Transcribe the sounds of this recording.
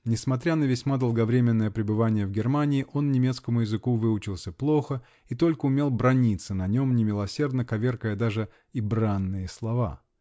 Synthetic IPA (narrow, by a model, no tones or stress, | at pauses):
nʲɪsmɐt̪ɾʲanəvʲɪsʲmad̪əlˠɡɐvɾʲemʲɪnːəjəpɾʲɪbɨvanʲɪjəvɡʲɪrmanʲɪːʔo̞nnʲɪmʲe̞t̪skəmʊjɪzɨkuvɨʊt͡ɕɪlˠsʲəplˠo̞xə | it̪o̞lʲkəʊmʲe̞lˠbɾɐnʲit̪sənɐnʲo̞mnʲɪmʲɪlˠɐsʲe̞rd̪nəkɐvʲe̞rkəjəd̪aʐɨ | ibɾanːɨjɪslˠɐva̰